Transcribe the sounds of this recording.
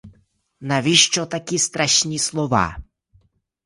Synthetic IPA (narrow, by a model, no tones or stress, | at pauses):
naʋʲiʃt͡ʃɔt̪akʲist̪ɾaʃnʲislˠɔʋa̰